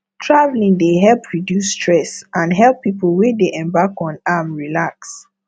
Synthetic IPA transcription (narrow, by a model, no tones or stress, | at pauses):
tʰɹavlĩŋdeɦɛlpʰɹidjustʰɹɛsʔãnɦɛlˠpːipəl̩ˠwɛdeʔɛ̃mbakɔ̃namɹilaks